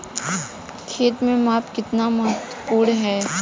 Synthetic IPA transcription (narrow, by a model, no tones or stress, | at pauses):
kʰeːt̪mẽmaːpkɪt̪namɐɦət̪wəpuːɽɦɛː